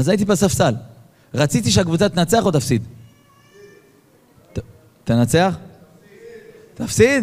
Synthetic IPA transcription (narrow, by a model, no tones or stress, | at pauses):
azait̪ipasafsal | ʁat͡sit̪iʃeakvut͡sat̪enat͡se̞aχo̞t̪afsid̪ | t̪enat͡seaχ | t̪afsid̪